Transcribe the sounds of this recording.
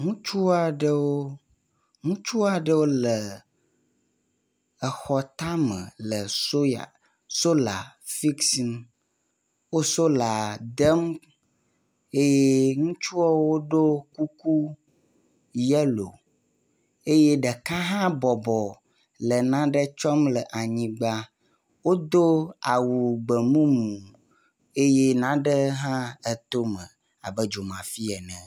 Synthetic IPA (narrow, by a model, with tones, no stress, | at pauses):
ŋũ˦t͡ʃu˦a˨ɖə˦wo˦ | ŋũ˦t͡ʃu˦a˨ɖə˦wo˦lə˨ | ɛ˨xɔ˨t̪a˦mə̰̃˨lə˨so˦ja̰˨ | so˦la̰˨fi˦ksi˨n | wo˦so˦la˨d̪ɛ˦m | e˦jɛ˦ŋũ˦t͡ʃu˦ɔ˦wo˦ɖo˦ku˦ku˦ | jɛ˦lo̰˨ | e˦je˦ɖə˨ka˦ɦã˦bɔ˨bɔ˨ | lə˨nã˦ɖə˦t͡ʃɔ˦mlə˨ʔa˨ɲĩ˦ɡ͡ba˦ | wo˦d̪o˦a˨wu˨ɡ͡bə˨mũ˦mũ˨ | e˦je˦nã˦ɖə˦ɦã˦ɛ˦t̪o˦mə̃˨ | a̰˨bə˦d͡ʒo˨mã˨fi˦ɛ˨nɛ̃˨